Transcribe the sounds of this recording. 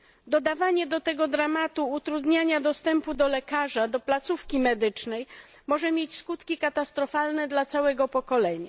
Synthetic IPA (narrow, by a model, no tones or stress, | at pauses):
d̪ɔd̪avaɲɛd̪ɔt̪ɛɡɔd̪ɾamat̪uːt̪ɾud̪ɲaɲad̪ɔst̪ɛmpud̪ɔlɛkaʐad̪ɔplat̪sufkʲimɛd̪ɘt͡ʂnɛj | mɔʐɛmʲjet͡ɕskut̪kʲikat̪ast̪ɾɔfalnɛd̪lat̪sawɛɡɔpɔkɔlɛɲa̰